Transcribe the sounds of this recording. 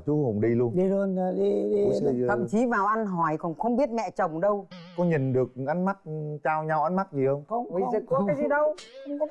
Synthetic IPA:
t͡ɕu˨˦hʊ˨˩wŋ͡mɗi˧lu˧ənɗi˧lo˧nː˨ɗi˧ɗi˧˨˧ə̰˧˨mt͡ɕi˨˦vaː˨˩wʔa˧nɦɔ˨˩˦jkɔ˨˩nxə˧wŋ͡mɓi˦˥ət̚mɛ̰˧˨t͡ɕə˨˩wŋ͡mɗə˧wkɔ˧ɲi˨˩nɗɨ˨˩ək̚ʔa˨˦ŋ̟ma˦˥t̚t͡ɕaː˧wɲa˧wʔa˨˧˦n̟ma˦˥k̚zi˨˩xə˧wŋ͡mə˧wŋ͡mi˧˦˥a˨˦zi˨˩ɗə˧wə˧wŋ͡mk

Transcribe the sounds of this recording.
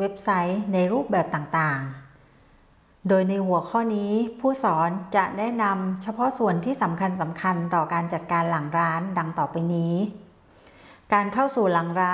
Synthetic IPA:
we˦˥p̚sa˦˥jna˧jɾuː˥˩p̚bɛː˨˩p̚t̪aː˨˩ŋt̪aː˨˩ŋ | doː˧jna˧jhu˨˩˦əkʰɔː˥˩niː˦˥pʰuː˥˩sɔː˩˦nt͡ɕa˨˩ʔnɛː˦˥na˧mt͡ɕʰa˧pʰɔ˦˥su˨˩ənt̪ʰiː˥˩sa˩˦mkʰa˧ns̬a˩˦mkʰa˧nt̪ɔː˨˩kaː˧nt͡ɕa˨˩t̪̚kaː˧nla˩˦ŋɾaː˦˥nda˧ŋt̪ɔː˨˩pa˧jniː˦˥ | kaː˧nkʰa˥˩wsuː˨˩la˩˦ŋɾaː˦˥

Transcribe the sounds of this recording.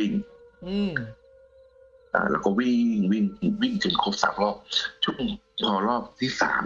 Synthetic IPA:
i˧˩ŋɯ˧˩ | ʔa̰ː˧˩lɛ̰ː˦˥wkɔː˥˩wi˥˩ŋŋwi˥˩ŋwi˥˩ŋkɯ˨˩nkʰoː˦˧˩p̚sa̰ː˨˩˦mlɔː˥˩k̚t͡ɕʰu˥˩əŋpʰɔː˧˩lɔː˥˩p̚t̪ʰiː˥˩sa̰ː˩˦m

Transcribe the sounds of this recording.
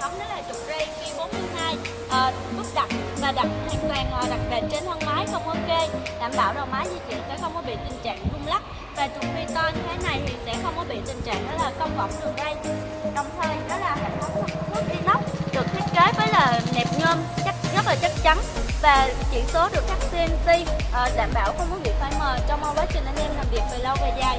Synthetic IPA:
xə˧wŋ͡mɗə˨˦˥laː˨˩t͡ɕʊ˨˩k͡p̚zi˧ki˧ɓo˨˦˥t̚t̪ʰɨ˨˦haː˧j | ʔəː˨˩ | ɓɨ˦˥p̚ɗa˨˩k͡p̚vaː˨˩ɗa˨˩t̚t̪ʰa˧ŋt̪waː˧˩ŋʔəː˨˩ɗa˨˩k̚ɓḛ˨˩t̚t͡ɕe˧˨˩nhəː˧nmaː˨˦jxə˧wŋ͡mhəː˧˦ke˧ɗa̰ː˧˩mɓa̰ː˧˨wzo˨˩maː˨˦jzi˧t͡ɕḭ˧˨ənsɛ̰˧˥xə˧wŋ͡mkɔ˨˦ɓḭ˧˨t̪ï˨˩ŋt͡ɕa̰ː˧˨ŋzʊ˧əŋ͡mla˦˥k̚ | vaː˨˩t͡ɕʊ˨˩k͡p̚zi˧t̪aː˧ɲɨ˧t̪ʰe˨˦na˨˩jt̪ʰi˨˩sɛ̰˧˥xə˧wŋ͡mkɔ˨˦ɓḭ˧˨t̪ï˨˩ŋ̟t͡ɕa̰ː˧˨ŋʔɔ˨˦laː˨˩kə˧wŋ͡mvɔ̰˧˩wŋ͡mɗɨ˨˩ək̚ɗə˧j | ɗɔ˨˩wŋ͡mt̪ʰəː˧jɗɔ˨˦laː˨˩ɦa˨˧˩ŋfʊ˧˦˥ŋ͡m̚xʊ˦˥˧ŋ͡mə˦˥k̚ʔi˧nlə˦˥wk͡p̚ɗɨ˨˩ək̚t̪ʰi˦˥t̚ke˨˦vəː˨˦jlaː˨˩nɛ˨˩p̚ɲəː˧nt͡ɕk̚ɣə˦˥k̚laː˨˩t͡ɕa˦˥k̚t͡ɕa˨˦nvaː˨˩t͡ɕḭ˧˩ənso˨˦ɗɨ˨˩ə˥kaː˦˥k̚si˧nsi˧ʔəː˨˩ɗa̰ː˧˨mɓa̰ː˧˩wxə˧wŋ͡mkɔ˨˦ŋḭ˧˨ək̚faː˧jməː˨˩t͡ɕɔ˧wŋ͡mmə˧wɓəː˨˦jt͡ɕi˨˧˩ŋʔa˧nʔɛ˧mlaː˨˩mvi˨˩ət̚ve˨˩lə˧wva̰˧˨˩jzaː˨˩j

